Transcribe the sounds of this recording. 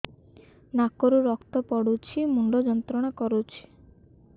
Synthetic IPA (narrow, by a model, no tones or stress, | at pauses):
nakɔɾuɾɔkt̪ɔpɔɽut͡ʃʰimuɳɖɔd͡ʒɔnt̪ɾɔɽ̃ɔkɔɾut͡ʃʰi̥